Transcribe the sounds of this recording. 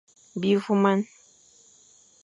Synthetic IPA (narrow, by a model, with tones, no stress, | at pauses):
bi˦fu˦ma˦n